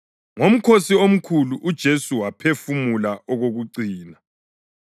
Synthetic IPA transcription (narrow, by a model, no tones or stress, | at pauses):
ŋom̩kʰosiom̩kʰuluʔud̥ʒ̥ʱesuwapʰefumulaɔɣoɣuǀiːna